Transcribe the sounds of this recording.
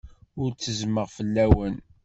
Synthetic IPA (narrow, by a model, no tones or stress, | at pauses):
ʊɾt͡sːəzməʁfəlːæwən